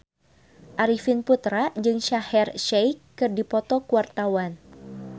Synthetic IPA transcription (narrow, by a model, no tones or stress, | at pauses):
ʔaɾifɪnput̪ɾad͡ʒɨŋʃahɛrʃɛjkːɨrdipɔt̪ɔkuwart̪awan